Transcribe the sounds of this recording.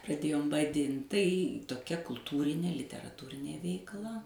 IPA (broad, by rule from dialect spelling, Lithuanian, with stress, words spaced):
prɐˈdʲeːjoːm ʋɐˈdʲɪnt tɐɪ toːˈkʲɛ kʊlˠˈtuːrʲɪnʲeː lʲɪtʲɛrɐˈtuːrʲɪnʲeː ʋʲɛɪkˈlˠɐ